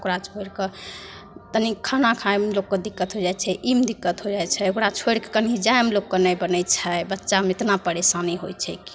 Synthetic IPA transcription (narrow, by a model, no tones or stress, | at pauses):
okɾat͡ʃʰoeɾkə | t̪ənikʰanakʰaemlokːəd̪ikːət̪ɦod͡ʒajt͡ʃʰɛʔimd̪ikːət̪ɦod͡ʒajt͡ʃʰɛokɾat͡ʃʰoeɾkekənid͡ʒaemelokːənəjbənəjt͡ʃʰəbətːʃameet̪napəɾesaniɦo̰jt͡ʃʰɛki̥